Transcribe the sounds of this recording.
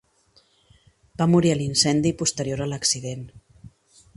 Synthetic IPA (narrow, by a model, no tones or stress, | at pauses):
b̥amuɾiəlinsɛnd̪ipust̪əɾjoɾələksiðen